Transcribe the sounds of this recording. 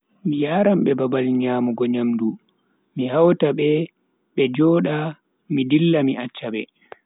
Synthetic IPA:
mijaɾamɓɛbabalɲaːmuɡɔɲamdu | mihawtaɓɛ | ɓɛd͡ʒɔːɗa | midilːamiʔat͡ʃːaɓɛ

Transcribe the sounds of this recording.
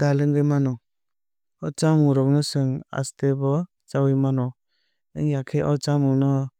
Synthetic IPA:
dalɯŋɡɯjmanɔ | ɔt͡ʃamuɾɔknɯsɯŋa̰stebɔ | t͡ʃawɯjmanɔ | ɯŋjakʰeʔɔt͡ʃamunɔ

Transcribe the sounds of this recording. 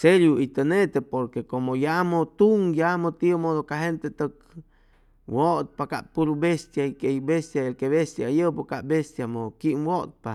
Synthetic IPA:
seljuit̪ənet̪epoɾkekomojamot̪uŋjamot̪iomodokaɦent̪et̪ək̚ | wot̪̚pakaʔpuɾubest̪jaikeibest̪jaelkeβest̪jajəpokaʔbest̪jamokiʔmwot̪̚pa

